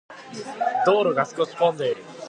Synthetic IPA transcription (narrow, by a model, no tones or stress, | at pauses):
d̪̥oːɾoɡasɨ̥kosi̥põnd̪eiɾɯ